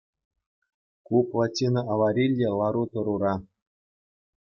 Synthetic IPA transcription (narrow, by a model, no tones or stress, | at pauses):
kuplˠatʲːinɤʔaʋɑɾʲilʲdʲelˠɑɾut̪ɤ̆ɾuɾɑ